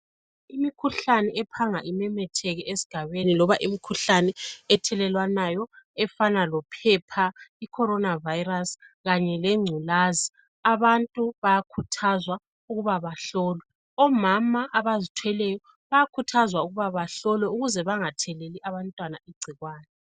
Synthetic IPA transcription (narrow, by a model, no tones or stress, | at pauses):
imikʰuɬanɛɛpʰaŋaʔimɛmɛtʰɛɣɛʔesi̥ɡ̥ʱaβenilɔβaʔimikʰuɬanɛɛtʰɛlɛlwanajɔɛfanalɔpʰɛpʰaikʰɔɾɔnavajirasɣaɲɛlɛŋ͡ǀʱulazi | aβantʼuβajakʰutʰazwa | uɣuβaβaɬɔːlɛ | ɔmamaʔaβazitʰwɛlɛjɔ | βajakʰutʰazwauɣuβaβaɬɔlɔuɣuzɛβaŋatʰɛleliʔaβantʼwanaiɡ͡ǀʱiɣwaːnɛ